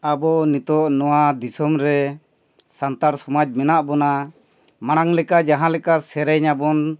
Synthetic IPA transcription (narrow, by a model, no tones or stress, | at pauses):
abɔnit̪ɔʔnɔwad̪isɔmɾɛ | sant̪aɾsɔmad͡ʒmɛnaʔbɔna | maɽ̃aŋlɛkad͡ʒaɦãlɛkasɛɾɛɲabɔn